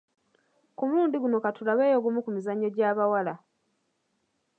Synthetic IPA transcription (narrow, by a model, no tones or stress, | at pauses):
kumuluːndiɡuno̞katulaβe̞ːjo̞ɡumukumizaɲːo̞ɟaːβawala